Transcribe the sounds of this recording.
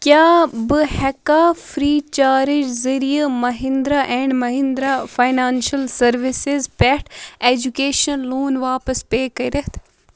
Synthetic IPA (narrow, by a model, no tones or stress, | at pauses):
kjaːbɨhɛkaːfɾiːt͡ʃaːɾɪd͡ʒzɐɾijɐmɐɦind̪ɾaːʔɛ̃ːɳɖmɐɦind̪ɾaːfajnaːnʃɐlsɐɾʋisɪzpɛʈeːd͡ʒukeːʃɐnluːnʋaːpɐspeːkɐiɾɐɦt̪ʰ